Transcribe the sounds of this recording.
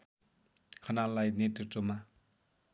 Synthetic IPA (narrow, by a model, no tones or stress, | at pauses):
kʰʌnalːajnet̪ritːoma